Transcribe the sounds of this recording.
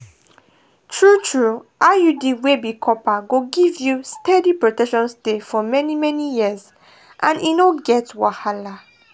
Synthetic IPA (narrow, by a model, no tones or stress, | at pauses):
tʰɹutʰɹuʔajudiwebikʰɔpaɡoɡivjustɛdipɹotɛkʃɔ̃nsdefɔmɛnimɛnijiəz | ʔãninoɡɛtwahala